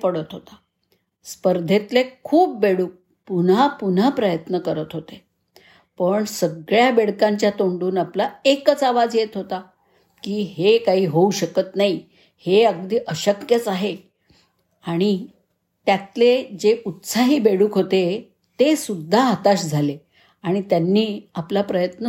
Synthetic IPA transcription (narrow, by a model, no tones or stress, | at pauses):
pəɽət̪ɦot̪a | spəɾd̪ʱet̪lekʰuːp̚beɽuːk̚ | punapun̤apɾəjət̪nəkəɾət̪ɦot̪e | pəɳsəɡɭjabeɽkãɲt͡ɕjat̪oɳɖuːnaplaekət͡saʋad͡zjet̪ɦot̪a | kiːɦekaɦiːɦouɕəkət̪nai | heəɡ̚d̪iːʔəɕəkjət͡saɦe | aɽ̃i | t̪jat̪led͡ʑeut̪saɦiːbeɽuːkɦot̪e | t̪esud̪ʱːaɦat̪aɕd͡zʱale | aɽ̃it̪janːiːaplapɾəjət̪nə